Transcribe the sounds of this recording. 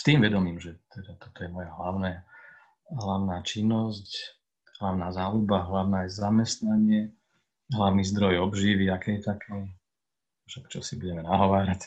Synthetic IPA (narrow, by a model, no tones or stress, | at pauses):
st̪iːmʋɛd̪ɔmiːmʒɛt̪ɛd̪at̪ɔ̥t̪ɔjɛmɔjaɦlaʊnɛː | ɦlaʊnaːt͡ʃinːɔsc | ɦlaʊnaːzaːlubaɦlaʊnaːzamɛst̪naɲɪɛ | ɦlaʋʊnizd̪ɾɔjɔbʒiːʋiakɛːjɛt̪akʰɛː | ʃɛkt͡ʃɔsibuɟɛmɛnaɦɔʋaːɾac